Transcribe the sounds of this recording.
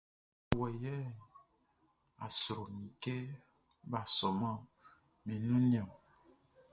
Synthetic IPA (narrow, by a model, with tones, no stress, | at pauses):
wɛ˨jɛ˦ | a̰˨sɾo˨mĩ˨ke˦ | ba˨sɔ˨mã˦ | mĩ˨nũ˦ɲ̃˦ã˨